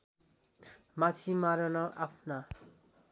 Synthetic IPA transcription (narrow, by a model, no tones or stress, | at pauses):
mat͡sʰimaɾʌnʌʔapʰna